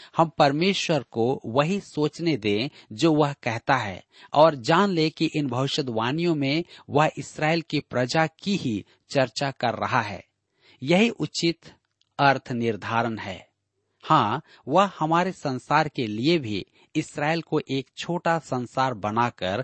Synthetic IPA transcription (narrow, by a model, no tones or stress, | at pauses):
hɐmpɐɾmeːʃwəɾkoʋəɦisoːt͡ʃned̪ẽd͡ʒoːʋəɦkɛɦt̪aɦɛ̰ː | ɔːɾd͡ʒaːnlekiʔɪnbʱɐʋɪʃəd̪ʋaːnijõmẽʋɐɦɪsɾaːelkipɾəd͡ʒakiɦi | t͡ʃɐɾt͡ʃakɐɾːɐ̰ɦaɦɛ̰ː | jɐɦiʔʊt͡ʃɪt̪ | əɾt̪ʰnɪɾd̪ʱaːɾənɦɛ̰ː | hãː | ʋəɦhɐmaːɾesə̃nsaːɾkeliebʱḭ | ɪsɾaːelkoʔeːkt͡ʃʰoːʈasə̃nsaːɾbɐnakəɾ